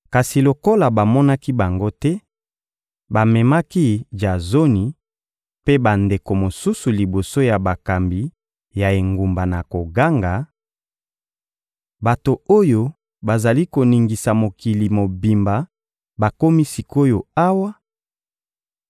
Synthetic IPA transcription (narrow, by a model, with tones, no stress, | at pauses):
ka˨si˨lo˨ko˦la˨ba˨mɔ˦na˦ki˦ba˨ŋɡo˦tɛ˦ | ba˨mɛ˨ma˦ki˦d͡ʒa˨zo˦ni˨ | pe˦ba˨nde˨ko˨mo˨su˦su˨li˨bo˨so˦ja˨ba˨ka˨mbi˨ | ja˨e˨ŋɡu˨mba˨na˨ko˨ɡa˦ŋɡa˨ | ba˨to˨o˦jo˦ | ba˨za˨li˦ko˨ni˨ŋɡi˨sa˨mo˨ki˨li˨mo˨bi˨mba˨ | ba˨ko˦mi˦si˨ko˦jo˨a˦wa˦